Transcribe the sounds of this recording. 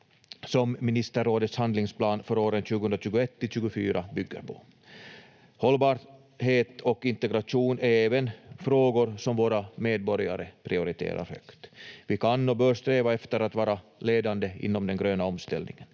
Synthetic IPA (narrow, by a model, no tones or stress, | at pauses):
sɔmːɪnɪst̪əɾːoːd̪ət̪shand̪lɪŋspʰlɑːnfœɾoːɾənɕʉ̟ɡəhɵnd̪ɾaɕʉːɡʊɛt̪ːɪlɕʉ̟ːɡʊfyːɾabʏɡːə̰ɾpʰɔ̥ | hɔlːbɑːɾ | ɦeːt̪ɔkɪnt̪ɛɡɾaʂuːnæɾeːvənfɾoːɡʊɾsɔmvoːɾameːd̪̚bɔɾja̰ɾəpʰɾɪʊɾɪt̪ʰḛːɾa̰ɾhœ̰kt̪vɪkʰanːobœːɾst̪ɾeːvaɛft̪əɾat̪vɑːɾaleːd̪and̪əɪ̰nːɔmd̪ɛnɡɾøːnaɔmst̪ɛ̰lnɪ̰ŋən